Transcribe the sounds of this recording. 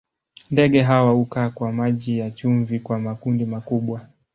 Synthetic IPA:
ndɛɠɛɦawaukakwamaʄijat͡ʃuɱvikwamakundimakuɓwa

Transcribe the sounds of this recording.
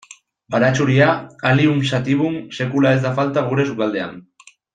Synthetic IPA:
baɾat͡ʃuɾiaaliumsat̪iβumsekulae̞zd̪afalt̪aɣ̞uɾe̞sukald̪e̞a̰m

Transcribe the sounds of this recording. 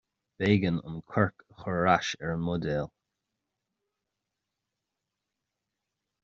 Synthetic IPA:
b̥eːɡənʊ̰nkʰɔɹkəxɔɹːaʃɛɹmʊd̪eːl

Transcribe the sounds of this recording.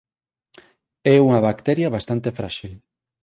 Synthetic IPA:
ɛuŋɐβakt̪ɛɾjɐβast̪ant̪efɾaʃil

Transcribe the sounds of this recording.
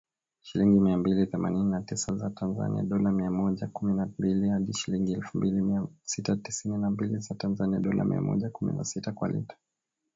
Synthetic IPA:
ʃiliŋɡimiambiliθɛma̰nininatisazatʰanza̰nḭa̰ɗɔlamiamɔʄakuminambilihaɗiʃiliŋɡiɛlfumbilimiasitati̥sininambilizatanzaniaɗɔla̰mʔḭa̰mɔ̰ʄakumḭna̰sitakwa̰lʔḭtḁ

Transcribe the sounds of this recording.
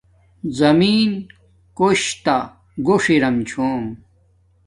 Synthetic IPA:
zɐmiːn | koɕt̪a | ɡoʂiɾɐmt͡ɕʰoːm

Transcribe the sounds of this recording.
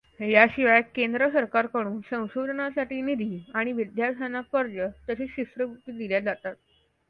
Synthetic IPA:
jaɕiʋajkːend̪ɾəsəɾkaɾkəɽ̃uːnsə̃w̃sod̪ʱənasaʈiːnid̪iːaɽ̃iʋid̪jat̪ʰanapəɾd͡ʑət̪jat͡ɕeɕist̪ɾəbup̪iːd̪iljad͡zat̪at̪̚

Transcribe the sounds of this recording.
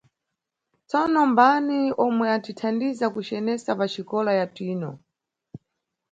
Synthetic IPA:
t͡sɔnɔmbaniɔmwɛatitʰandizakut͡ʃɛnɛsapat͡ʃikɔlajatwiːnɔ

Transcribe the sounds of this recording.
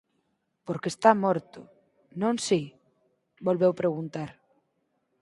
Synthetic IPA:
poɾkest̪amɔɾt̪ʊ | nõŋsi | bolβewpɾeɣunt̪aɾ

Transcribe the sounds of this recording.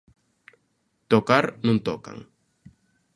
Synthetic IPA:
t̪okaɾnũnt̪o̰ka̰ŋ

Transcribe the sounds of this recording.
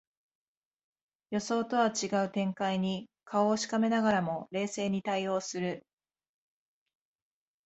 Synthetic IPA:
jo̞so̞ːt̪o̞βat͡ɕiɡaɯ̟t̪ẽ̞ŋkaiɲ̟ikʰao̞ːɕi̥kame̞naɡaɾamo̞ɾe̞ːse̞ːɲ̟it̪aio̞ːsɨɾɯ̟

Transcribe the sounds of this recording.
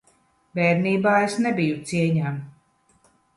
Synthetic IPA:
bɛːɾniːbaːesnebijut̪siɛɲaːm

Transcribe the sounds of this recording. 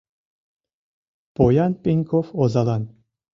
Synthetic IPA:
pojɑnpʲenʲkofozɑlˠɑn

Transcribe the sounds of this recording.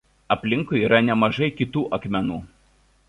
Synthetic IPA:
ɐpʲlʲɪŋkʊɪiːɾɐnʲɛmɐʒɐɪkʲɪt̪uːʔɐkmʲɛnuː

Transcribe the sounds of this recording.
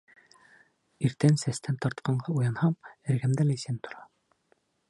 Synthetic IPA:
iɾt̪ænsæst̪ænt̪ɑɾt̪̚qɑɴɢɑujɑnhɑmæ̆ɾɡæmd̪ælæjsænt̪ʰŏɾɑ

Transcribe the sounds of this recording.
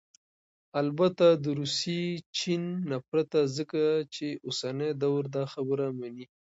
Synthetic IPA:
albat̪ad̪əɾusit͡ʃinːapɾat̪azəkat͡ʃeʔosaned̪awɾd̪ɑxabəɾamani

